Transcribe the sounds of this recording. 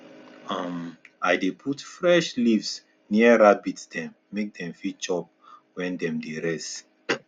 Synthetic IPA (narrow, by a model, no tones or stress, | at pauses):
amajdepʰutfɹɛʃlivs | niəɹabitd̥ɛ̃mːek̚dɛ̃mfit͡ʃɔp̚ | wɛ̃ndɛ̃mdeɹɛst